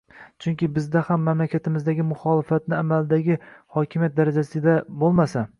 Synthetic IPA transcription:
t͡ʃʰʊŋkʲɪbɪzd̪ahamːamlakʲʰat̪ʰɪmɪzd̪aɡʲɪmʊχɒːlɪfat̪nɪamalɪd̪aɡʲɪhɒkʲʰɪmjat̪̚d̪aɾad͡ʒasɪd̪abolˠmasa

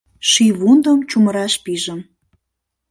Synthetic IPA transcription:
ʃiβund̪əmt͡ɕuməɾɑʃpiʒə̆m

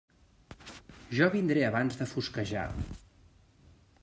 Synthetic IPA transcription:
ʒɔβind̪ɾeəβanzðəfuskəʒa̰

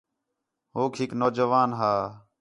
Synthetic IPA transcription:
ɦoːkʰɪknoːd͡ʒəʋaːnɦaː

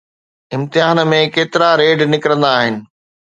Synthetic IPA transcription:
ɪ̃mt̪ɪɦaːnmẽkeːt̪ɪɾaɾeːɖnɪkɾə̃nd̪aːɦɪnɪ̆

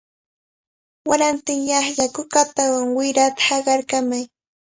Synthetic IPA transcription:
waɾant̪ɪŋjɑχjakʊkat̪awaŋwɪɾat̪ḁhɑɢɑɾkamaj

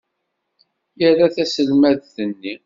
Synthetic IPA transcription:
jəraθæsəlmæðθənːi

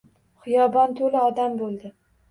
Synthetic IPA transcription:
χɨjɒbɒnt̪ʰolɪɒd̪ambolˠd̪ɪ

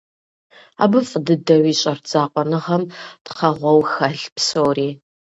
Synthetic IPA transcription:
a̰ːbɨfʼdɨdɐwiːɕʼɐrd͡zʼaːqʷʼɔnɨʁɐmtqɐʁʷɔwxɐɬpsowriː

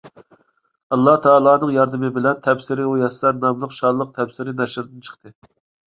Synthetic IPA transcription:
ɑlˠːɑht̪ʰɑːlˠɑːnɨŋjɑɾd̪ɨmɪbɪlɛnt̪ʰɛpsɪɾɪujɛslæɾmɛmlˠʊqʃɑdlˠːəq̚t̪ʰɛpsɪɾɪnɛʃɾd̪ɪnt͡ʃʰə̥χt̪ɨ

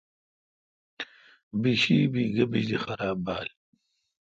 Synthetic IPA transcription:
biɕiːbiːɡɐbiʑdixɐɾaːbaːl

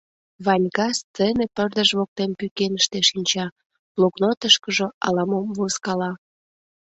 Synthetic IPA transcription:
βɑnʲkɑst͡senepərd̪əʒβok̚t̪empykenəʃt̪eʃinʲt͡ɕɑ | loknot̪əʃkəʒoɑ̰lɑmomvoskɑlɑ

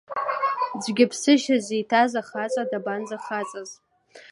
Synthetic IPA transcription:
d͡zʷɡʲɪpʰsɨʃazijtʰazaχat͡sʼadabanzaχat͡sʼaz

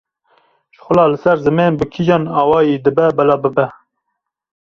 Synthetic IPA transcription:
ʒ̥xʷʊlɑːlɨsɛɾzɨmeːnbɨkʰid͡ʒɑːnɑːwɑːjeːd̪ɨbɛbɛlɑːbɨbɛ

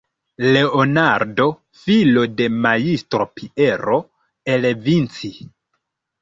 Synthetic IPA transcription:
le̞onaɾdo̞ | filo̞de̞majistɾopʰiʔeɾo̞ | elevint͡si

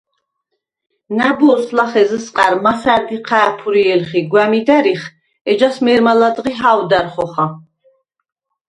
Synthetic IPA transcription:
nabuɔslaχɛzəsqʼaɾmasaɾd̪iqʰaːpʰuɾiɛlχiɡwæmid̪æɾiχ | ɛd͡ʒasmɛɾmalad̪ʁiɦawd̪aɾχɔχa

